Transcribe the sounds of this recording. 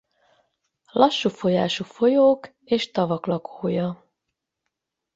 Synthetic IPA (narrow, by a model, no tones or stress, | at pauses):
lʔɒʃːufo̞jaːʃufo̞joːk | eːʃt̪ɒvɒklɒkʰoːjɒ